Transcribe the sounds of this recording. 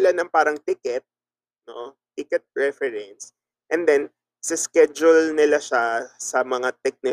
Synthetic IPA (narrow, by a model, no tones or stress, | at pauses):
ɪlanɐŋpaːɾɐŋt̪ɪkɛt̪̚ | no̞ | t̪ɪkɛt̪̚pɹɛfɛɹɛns | ʔɛnd̪ɛn | sɪskɛd͡ʒʊlnɪlaʃasɐmɐŋat̪ɛk̚nɪ